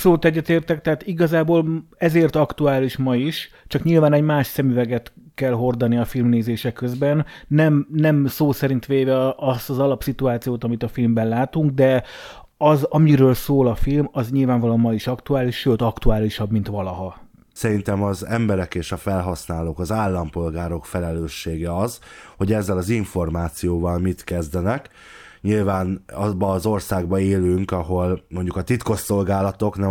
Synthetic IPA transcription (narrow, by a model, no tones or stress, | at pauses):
solut̪ɛɟːɛt̪eːrt̪ɛkt̪ɛɦaːt̪iɡɒzaːboːlɛzeːrt̪ɒkt̪uaːliʃmɒiʃt͡ʃɒkɲilvaːnɛɟmaːʃsɛmyvɛɡɛt̪kɛlɦo̞rd̪ɒniɒfilmneːzeːʃɛkːøzbɛnːɛmnɛmsoːsɛɾint̪ʋeːvɛɒst̪ɒzɒlɒpsit̪uaːt̪sijoːt̪ɒmit̪ɒfilmbɛnlaːt̪uŋɡ̚d̪ɛ | ɒzɒmiɾøːlsoːlɒfilmɒzɲilvaːɱvɒlomɒliʃɒkt̪uaːliʃʃøːt̪ɒkt̪uaːliʃɒbmint̪ʋɒlɒɦɒ | sɛɾint̪ɛmɒzɛ̰mbɛɾɛkeːʃɒfɛlɦɒsnaːloːkɒzaːlːɒmpo̞lɡaːɾo̞kfɛlɛløːʃːeːɡɛɒzho̞ɟɛzːɛlɒziɱfo̞rmaːt̪sijoːvɒlmit̪kɛzd̪ɛnɛk | ɲilvaːnɒbɒːzo̞rsaːɡ̚bɒeːlyŋkɒɦo̞lmo̞ɲɟukɒt̪it̪ko̞ʃːo̞lɡaːlɒt̪o̞knɛ